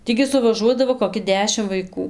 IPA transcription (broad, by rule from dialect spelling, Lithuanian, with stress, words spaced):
ˈtʲiː ɡʲɪ sʊʋɐˈʒuɔdɐʋoː koːˈkʲɪ ˈdʲæːʃʲɪm ʋɐɪˈkuː